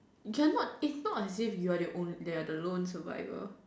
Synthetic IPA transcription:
kɛnɔt̚ɪsnɔtɛsifjuaɾəʔõnidɛadəlõnsəva̰ɪvə̰

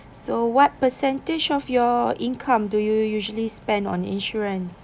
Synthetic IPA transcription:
sowɔt̚pəsɛ̃nted͡ʒɔfjɔʔĩnkʰãmdujujuʒəlispɛ̃ndɔ̰̃nḭ̃nʃuɹə̃ns

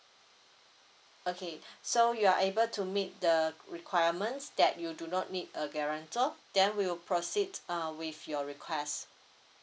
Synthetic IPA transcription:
okʰesojuaʔebəltʰumit̚dəɹikʰwajəmə̃nsdɛt̚judunɔt̚nidəɡɛɹə̃ntəd̥ɛ̃nwiwilpʰɹosidwifjɔɹikʰwɛst

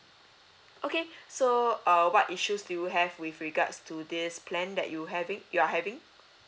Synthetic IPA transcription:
ʔokesoʌwɔtiʃusdujuɦɛvwifɹiɡa̰tstʰudispʰlɛ̃ndɛ̰ʔ̚juɦɛvĩŋjuaɦɛvɪ̃ŋ

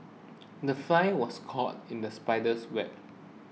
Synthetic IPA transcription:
dəfajwɔskʰɔt̚ĩndəspaɪdəswɛp̚

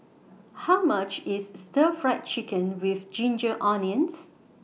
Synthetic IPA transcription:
haʊmat͡ʃɪsstəfɹaɪt̚t͡ʃikə̃nwifd͡ʒĩnd͡ʒəʔɔniə̃ns

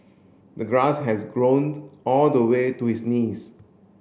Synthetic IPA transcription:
d̪əɡɾasɦɛzɡɹõnɔld̪əwetuhisniz

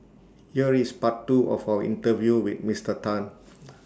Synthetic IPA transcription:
hiəɹispatːuʔɔ̰fawəʔḭ̃ntəvjuwit̚mistətãn

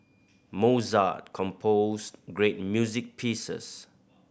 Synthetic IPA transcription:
moza̰t̚kʰɔ̃mpʰosɡɹet̚mjuzik̚pʰisə̰s

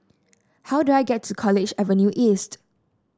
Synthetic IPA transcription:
haʊduaɪɡɛtʰːukʰɔlɪd͡ʒɛvə̃njuʔist

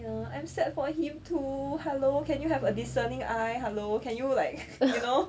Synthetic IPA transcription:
jaãj̃msɛt̚fɔhĩmtʰuhɛlokɛ̃njuɦɛvədisənĩŋajɦɛlokɛ̃njulaɪk̚juno

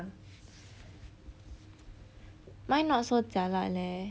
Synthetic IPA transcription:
mãjnɔsot͡ɕala̰ʔlɛ

